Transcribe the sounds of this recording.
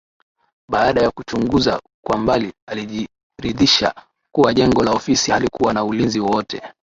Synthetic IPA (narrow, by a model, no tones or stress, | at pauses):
ɓaːɗajakut͡ʃuŋɡuza̰ | kwambalialiʄi | ɾiðiʃa̰ | kuwaʄɛŋɡɔlaɔfisihalikuwanaulinziwɔwɔtɛ̰